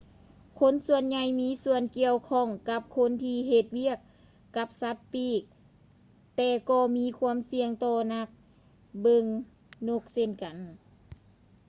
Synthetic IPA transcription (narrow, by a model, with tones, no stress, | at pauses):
kʰo˧˥˨nsu˧ənɲa˧jmiː˧˥˨su˧ənki˧əwkʰɔ˧˩˨ŋka˧˦˥p̚kʰo˧˥nt̪ʰiː˧ɦe˧t̪̚wi˧˩˨ək̚ː | a˧˥p̚sa˧˦˥t̪̚piː˧˩k̚ | t̪ɛː˧˩kɔː˧miː˧˥˨kʰu˧˥ə˨msi˧əŋt̪ɔː˧na˧˩k̚ | bɤ˧ŋ | no˧˥k̚se˧˨nka˨n